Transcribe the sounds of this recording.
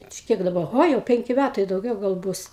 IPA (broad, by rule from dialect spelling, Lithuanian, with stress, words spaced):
t͡ʃʲɛ ˈkʲiɛk dɐˈbɐ ˈɣoː jɛʊ ˈpʲɛŋʲkʲɪ ˈmʲætɐɪ dɐʊˈɡʲɛʊ ɡɐlˠ ˈbʊs